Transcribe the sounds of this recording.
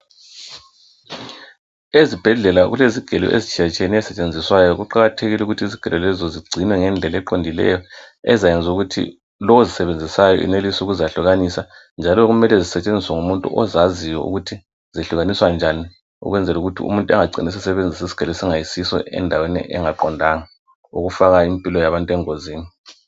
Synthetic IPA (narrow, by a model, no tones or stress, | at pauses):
ezib̥ʱɛɮɛlaɣuleziɡ̥ʱɛlɔ̰ʔḛzit͡ʃʰʼijat͡ʃʼʰeniɛsɛt͡ʃʼend͡zʱiswajɔɣuǃaɣatʰeɣilɛuɣutʰiiziɡ̥ʱɛlɔlɛzɔziɡ͡ǀʱinwɛŋɛnd͡ɮʱɛlɛǃondʱilɛ̰jɔ | ɛzajɛnd͡zʱuɣutʰḭ | lɔwozisɛβend͡zʱisajɔ̰ʔḭnelisɔuɣuzaɬuɣanisa | nd͡ʒʱalɔɣumɛlɛzisɛt͡ʃʼend͡zʱiswaŋumuntʼṵʔɔzaziwɔṵɣutʰi | ziɬuɣaniswand͡ʒʱani | ṵɣwɛnd͡zʱɛluɣutʰḭṵmuntʼuɛŋaɡ͡ǀʱinis̬isɛβend͡zʱisisi̥ɡ̥ʱɛlisɛŋajisisɔ̰ʔɛ̰ndʱawɛnḭʔɛ̰ŋaǃɔndʱaŋa | ṵɣufaɣaimpʼilɔjaβantʼuɛŋoziːni